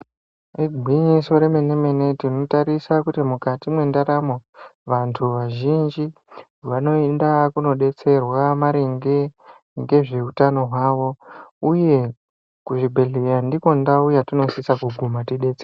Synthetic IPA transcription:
riɡʱwiɲiso̞ɾemene̞me̞ne̞tino̞taɾisakutimukatimwe̞ndaɾamoʋantʰuʋaʒind͡ʒi | ʋano̞endakuno̞ɗe̞t͡se̞rwamaɾeŋɡe | ŋɡe̞ʐe̞utano̞ɦwaʋo̞uje̞ | kuʐibʱeɮejandiko̞ndaujatino̞sisakuɡʱumatiɗe̞ːt͡ser

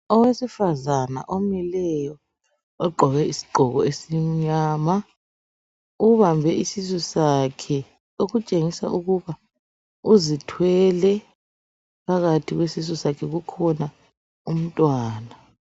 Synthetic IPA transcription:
ɔwesifazana̰ʔomilɛjɔ | ɔɡ͡ǃʱɔɣɛisi̥ɡ͡ǃʱɔɣɔesiɲaːma | uβambʱɛisizusakʰɛ | oɣut͡ʃʼeŋisa̰ʔuɣuβa | uzitʰwɛlɛ | pʰaɣatʰiɣwesizɔsakʰɛɣukʰɔna | um̩tʼwaːna

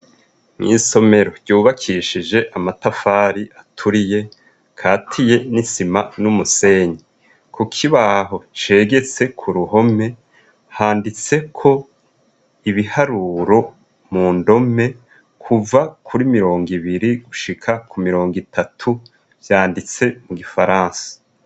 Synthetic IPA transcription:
ŋḭːso̞me̞ɾo̞ɾɟuːβakʰiʃid͡ʒe̞ʔamatafaːɾiʔatʰuɾije̞ | kʰaːtʰije̞nisimanumuse̞ːɲi | kʰukʰiβaɦo̞t͡ʃe̞ɡe̞t͡se̞kʰuɾuho̞me̞ | haːndit͡se̞kʰo̞ | iβihaɾuːɾo̞ | muːndo̞me̞ | kʰuvakʰuɾimiɾo̞ːŋɡiβiɾiɡuʃikʰakʰumiɾo̞ːŋɡitʰatʰu | vjaːndit͡se̞muɡifaɾãːnsḁ

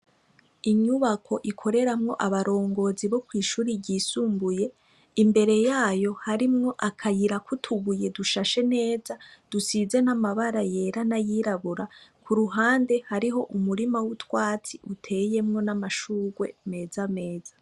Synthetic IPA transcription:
iɲuβakʰo̞ʔikʰo̞ɾe̞ɾamŋo̞ʔaβaɾo̞ːŋɡo̞ːziβo̞kwiːʃuːɾiɟiːsuːmbuje̞ | imbe̞ɾe̞jaːjo̞haɾimŋo̞ʔakʰajiɾakʰutʰuɡuje̞duʃaʃe̞ne̞ːzad̥usize̞namaβaɾaje̞ːɾanajiɾaβuɾakʰuɾuɦaːnde̞haɾiɦo̞ʔumuɾimawutwaːt͡siʔutʰe̞je̞mŋo̞namaʃuːɡwe̞̰me̞ːzame̞ːz̥a

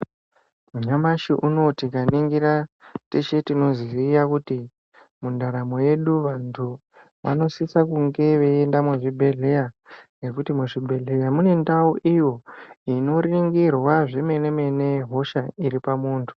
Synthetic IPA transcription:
muɲamaʃiʔuno̞tikaniŋɡiratet͡ʃe̞tino̞ziijakuti | mundaɾamo̞je̞ɗuʋantʰu | ʋa̰no̞sisakuŋɡe̞ʋeendamweʐibʱe̞ɮe̞jaŋɡe̞kutimeʐibʱe̞ɮe̞jamune̞ndauʔijo̞ino̞riŋɡirwaʐeme̞ne̞me̞ne̞ɦo̞ʃaiɾipamuːntʰu̥

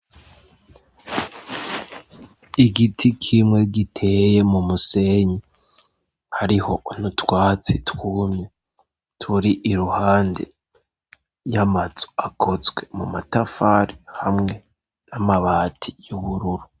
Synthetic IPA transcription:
iɡitʰikʰimŋe̞ɡitʰe̞ːje̞mumuse̞ɲi | haɾiho̞ʔun̥utwaːt͡sitwuːmɲe | tʰuɾiʔiɾuhaːndḛ | jamaz̥o̥akʰo̞zwe̞mṵmatafaɾihamŋe̞ | namaβaːtʰijuβuɾuɾu

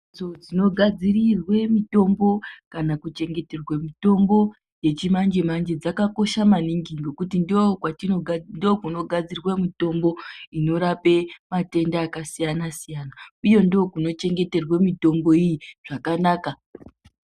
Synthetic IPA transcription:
od͡zino̞ɡʱad͡zirirwe̞mito̞mbo̞kanakut͡ʃe̞ŋɡe̞terwemito̞mbo̞ | je̞t͡ʃimand͡ʒe̞mand͡ʒe̞d͡zakako̞ʃamaniŋɡiŋɡo̞kutindokwatinondokuno̞ɡʱad͡zirwemito̞mbo̞ino̞ɾape̞mate̞ndaːkasijanasijanaujo̞ndokuno̞t͡ʃe̞ŋɡe̞te̞rwemito̞mbo̞ijiʐ̥akanaːka

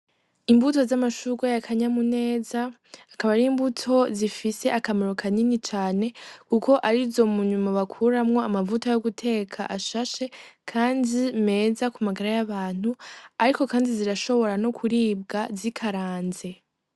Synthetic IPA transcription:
imbuto̞zamaʃuɡajakʰaɲamune̞ːzaː | kaβaɾiːmbutʰo̞zifise̞ʔakamoɾokʰaninit͡ʃaːne̞kuko̞ʔaɾizo̞muɲumaβakʰuɾamŋo̞amavutajoɡutʰe̞ːkʰa̰ʔaʃaʃe̞kʰaːndime̞ːzakumaɡaɾajaβaːn̥uaɾiko̞kaːndiziɾaʃo̞βo̞ɾano̞kʰuɾiːb̚ɡazikʰaɾaːnze̞

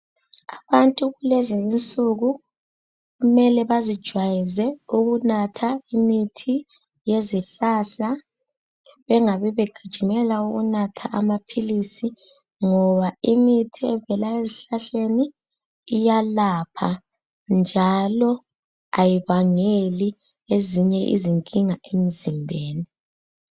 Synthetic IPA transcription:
aβantʼuɣulezizint͡sʼuɣu | ɣumɛlɛβazid̥ʒ̥ʱwajizɛuɣunatʰaimitʰi | jeziɬaːɬa | βɛŋaβiβeɡ̥ʱid̥ʒ̥ʱimɛlauɣṵnatʰa̰ʔamapʰilisi | ŋɔβaimitʰiɛvɛlaeziɬaɬeniː | jalapʰa | nd͡ʒʱalɔ | ajiβaŋeli | eziɲɛʔḭziŋkʼiŋaʔem̩zimbʱeːni

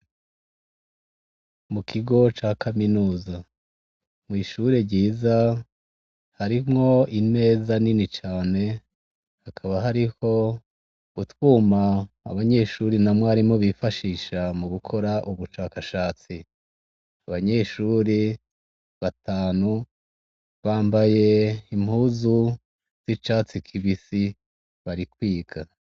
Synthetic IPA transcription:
mukʰiɡo̞t͡ʃaːkʰaminuːza | mŋwiːʃuɾeɾɟiːza | haɾimŋo̞ine̞ːzaninit͡ʃaːne̞ | hakʰaβaɦaɾiho̞ | utwuːma̰ː | βaɲe̞ʃuːɾinamwaɾimŋoβifaʃiːʃamuɡukʰo̞ɾaʔuβuʃaːkaʃaːt͡si | aβaɲe̞ʃuːɾi | βataːnu | βaːmbaje̞im̥huːzu | z̥it͡ʃaːt͡sikʰiβisi | βaɾikwiːɡa

